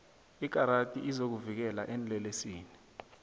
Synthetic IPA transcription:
ik̬ʼaɾatʼḭʔizok̬uvik̬ɛla̰ʔɛnlɛlesiːni

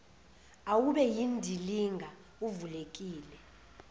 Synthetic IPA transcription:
awuɓɛjindʱiliŋɡʱa | uvulek̬ʼiːlɛ

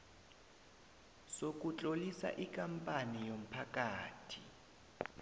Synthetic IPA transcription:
sok̬ʼut͡ɬʼolisa̰ʔikʼampʼanijom̩pʰakʼaːtʰi

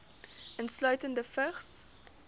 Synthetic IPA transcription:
ʔənslœɥtəndəfəχs

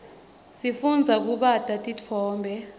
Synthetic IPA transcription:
sifund͡zʱak̬uɓatʼatʼit͡fʰɔːmbʱɛ

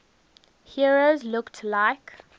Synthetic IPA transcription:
hiəɹozlʊktʰlaɪk

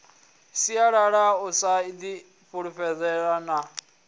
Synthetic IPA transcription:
siaɺaɺausaid̪i | ɸuɺuɸɛd͡zɛɺana

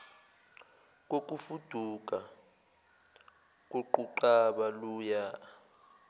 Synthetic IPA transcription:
k̬ʼok̬ʼufud̥ʱuk̬ʼa | k̬ʼoǃuǃaɓaluːja

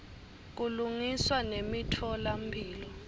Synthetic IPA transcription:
k̬uluŋiswanemitʰɔlam̩bʱiːlɔ

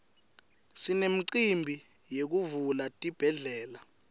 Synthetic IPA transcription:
sinem̩ǀimbʱi | jek̬uvulatʼib̥ʱɛɮɛːla

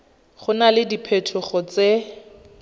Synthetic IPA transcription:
χʊnalɪdipʰetʰʊχɔt͡se

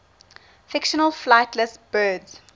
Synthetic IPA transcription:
fɪkʃənəlflaɪtʰləsbɜːdz̥

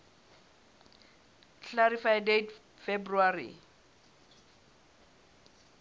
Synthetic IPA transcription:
kʰaɾifajdet | februarḭ

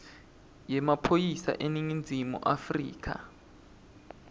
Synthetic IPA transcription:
jɛmapʰojisa̰ʔeniŋind͡zʱimṵʔafrḭːkʰa̰

